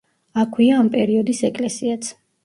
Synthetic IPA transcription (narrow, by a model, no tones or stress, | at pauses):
akʰwiaːmpʼɛɾiɔd̪isɛkʼlɛsiat̪sʰ